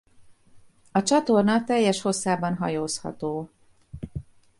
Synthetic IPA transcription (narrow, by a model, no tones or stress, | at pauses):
ɒt͡ʃɒt̪o̞rnɒt̪ɛjːɛʃho̞sːaːbɒnɦɒ̰joːshɒ̰t̪oː